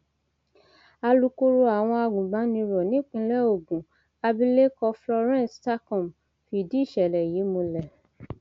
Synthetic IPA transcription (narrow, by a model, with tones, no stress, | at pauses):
a˧lu˧ko˦ɾo˧a˨w̃ɔ̃˧a˧ɡũ˨bã˨˦nĩ˧ɾɔ˨nĩ˦k͡pĩ˧lɛ˦o˨ɡũ˨ | a˧bĩ˦le˦kɔ˧flɔ˧ɾɛ̃˦sta˦kɔ̃˨m | fi˦˨di˨˦i˦˨ʃɛ˨lɛ˨ji˨˦mũ˧lɛ˨